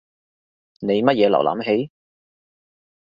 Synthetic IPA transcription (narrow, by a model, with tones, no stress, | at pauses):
ne˨˧jmɐ˥t̚jɛː˨˧lɐ˨˩wlʔa̰˨˥mɦe˨˥j